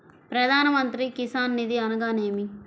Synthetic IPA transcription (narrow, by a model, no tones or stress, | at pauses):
pɾɐd̪ʱaːnɐmɐnt̪ɾikisaːnːid̪iɐnɐɡaːneːmi